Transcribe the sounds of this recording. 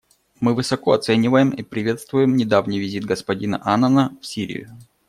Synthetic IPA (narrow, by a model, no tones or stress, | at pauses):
mɨvɨsɐko̞ɐt̪sɛnʲɪvəjɪmipɾʲɪvʲe̞t̪st̪vʊjɪmnʲɪd̪avnʲijvʲɪzʲid̪̚ɡəspɐdʲinə̰ʔanənəfsʲiɾʲɪ̰jʊ̰